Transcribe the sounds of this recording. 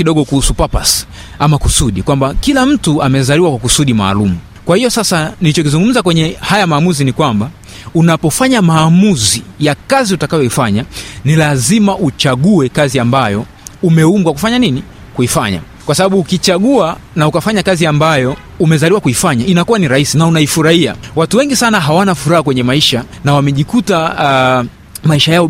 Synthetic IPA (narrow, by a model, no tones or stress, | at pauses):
iɗɔɠɔkuhusupapas | amakusuɗikwambakilam̩tuamɛzaliwakwakusuɗima̰ːlumu | kwahijɔsasanilit͡ʃɔkizuŋɡum̩zakwɛɲɛhajamaːmuzinikwamba | unapɔfaɲamaːmuzijakaziutakajɔifaɲanilazimaʔut͡ʃaɠuɛkaziambajɔ | umɛumɡwakufaɲanini | kuifaɲa̰ | kwasaɓaɓuːkit͡ʃaɠua | naukafaɲakaziambajɔ | umɛzaliwakuifaɲainakuwaniɾahisinaunaifuɾahia̰watuwɛŋɡisanaɦawanafuɾahakwɛɲɛmaiʃa | nawamɛʄikuta | maiʃajaɔ